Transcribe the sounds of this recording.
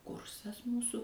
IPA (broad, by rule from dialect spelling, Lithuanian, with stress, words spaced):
ˈkʊrsɐs ˈmuːsʊ